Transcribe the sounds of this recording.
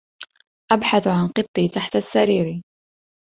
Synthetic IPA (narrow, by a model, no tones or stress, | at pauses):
ʔabħaθʕanqɨt̪ˤːiːt̪aħt̪asːaɾiːɾi